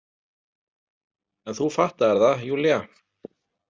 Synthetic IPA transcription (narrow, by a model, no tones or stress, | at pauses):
ɛnθufaht̪aɛɾðajulja